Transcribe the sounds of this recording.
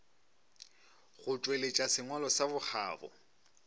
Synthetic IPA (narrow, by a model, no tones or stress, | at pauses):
ɣʊt͡ʃʼwelet͡ʃʼasɪŋwalɔsabʊk͡xʰa̰ːbɔ̰